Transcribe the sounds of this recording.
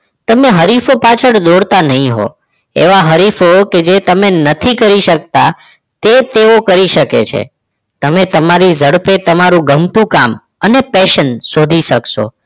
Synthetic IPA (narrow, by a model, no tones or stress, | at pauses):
t̪əmeɦəɾifopat͡ʃʰəɽd̪oɽt̪anəɦĩɦo̰ | ḛʋaɦəɾifoked͡ʒet̪əmenət̪ʰikəɾiʃək̚t̪a | t̪et̪eokəɾiʃəkḛt͡ʃʰḛ | t̪əmet̪əmaɾizəɽpet̪əmaɾũɡəmt̪ũkam | ənepɛʃənsod̪ʱiʃəkʃo̰